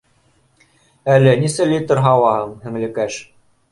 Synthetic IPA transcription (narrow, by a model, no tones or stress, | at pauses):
ælɘnisɘlʲit̪ɤ̆ɾɦɑwɑhɤɴhɘ̆ŋlɘ̆kæʃ